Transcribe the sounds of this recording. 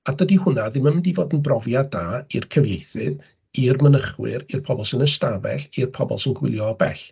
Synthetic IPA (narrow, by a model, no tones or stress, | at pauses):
adədihʊnaðɪmanmɪndivoːdənbrɔvjadaːirkʰəvjejθɨð | irmənəχwɪ̰ɾirpʰɔbɔlˠsənəstavɛ̰ɬirpʰɔbɔ̰lˠsənɡwɪ̰lˠjɔbɛ̰ɬ